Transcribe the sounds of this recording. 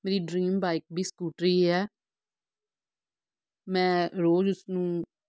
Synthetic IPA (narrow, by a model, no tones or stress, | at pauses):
meːɾiːɖɾiːmbaːɪk̚bʱiːskuːʈɾiːɛː | mɛ̃ːɾoːd͡ʒʊsnũː